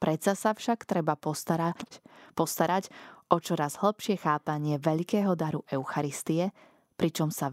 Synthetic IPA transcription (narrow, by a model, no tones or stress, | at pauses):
pɾɛt͡sasafʃakt̪ɾɛba | pɔst̪aɾaɟʔɔt͡ʃɔɾazɦl̩pʃɪɛxaːpaɲɪɛʋɛʎkɛːɦɔd̪aɾuʔɛʊxaɾist̪iɛ | pɾit͡ʃɔmsa